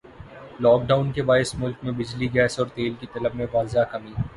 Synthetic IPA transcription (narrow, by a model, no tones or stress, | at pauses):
lɔːk̚ɖaːʊnkebaːɪsmʊlkmẽbɪd͡ʒliɡɛːsɔːɾt̪eːlkit̪ɐləbmẽʋaːlzakɐmiː